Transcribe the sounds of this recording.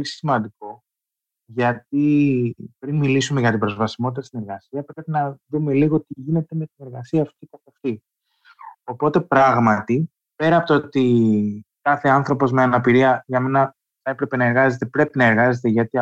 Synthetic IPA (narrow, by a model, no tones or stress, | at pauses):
olisimɐnd̪iko̞ | ʝɐt̪i | pɾinmilisumeʝɐt̪ibɾo̞zvɐsimo̞t̪it̪ɐst̪ine̞ɾɣɐsiɐpɾe̞pinɐðume̞liɣo̞t̪iʝine̞t̪e̞me̞t̪ine̞ɾɣɐsiɐːft̪ikɐtɐft̪i | opo̞t̪e̞pɾɐɣmɐt̪i | pe̞ɾɐpot̪oot̪i | kɐθe̞ɐnθɾo̞po̞zmeɐnɐpiɾiɐʝɐme̞nɐ | θɐe̞pɾe̞pe̞nɐe̞ɾɣɐze̞t̪e̞pɾe̞pinɐeɾɣɐze̞t̪eʝɐt̪i